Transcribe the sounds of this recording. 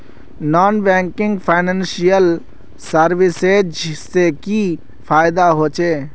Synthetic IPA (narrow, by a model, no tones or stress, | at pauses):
nɔːnbɛ̃ŋkɪ̃ŋɡpʰaɪnẽnsijəl | səɾʋɪsed͡ʒseki | pʰaːɪd̪aɦoːt͡ʃeː